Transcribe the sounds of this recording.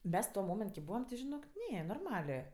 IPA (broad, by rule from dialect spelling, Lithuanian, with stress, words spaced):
ˈmʲɛs tuɔ ˈmoːmʲɛnt kʲɪ ˈbuːʋɐm tʲɪ ʒʲɪˈnoːk ˈnʲɛ noːrˈmɑːlʲeː